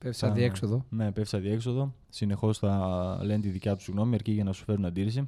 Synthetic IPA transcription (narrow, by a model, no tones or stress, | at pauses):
pesɐðieksoðone̞pefsɐðie̞kso̞ðo̞ | sine̞xo̞sθɐle̞nt̪iðicɐt̪usiɣno̞miɐɾciʝɐnɐsu̥fe̞ɾunɐd̪iɾisi